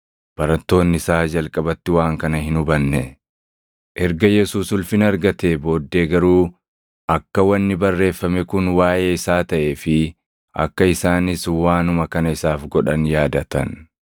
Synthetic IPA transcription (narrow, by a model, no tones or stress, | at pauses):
b̥ɐɾɐt̪ːo̞ːnːɪɪsaːd͡ʒɐlkʼɐbɐt̪ːɪwaːŋkɐnɐhɪnʊbɐnːɛ | ʔɛɾɡɐjɛsuːsʊlfɪnɐɾɡɐt̪ebo̞ːd̪ːeːɡɐɾuː | ʔɐkːɐwɐnːɪbɐrːe̞ːfːɐmɛkʊnwaːʔeːɪsaːt̪ɐʔe̞ːfɪ | ʔɐ̰kːɐɪsaːnɪswaːnʊmɐkɐnɐɪsaːfɡɔᶑɐnjaːd̪ɐt̪ɐn